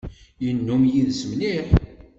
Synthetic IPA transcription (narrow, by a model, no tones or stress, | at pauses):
jənːumjiðsəmliħ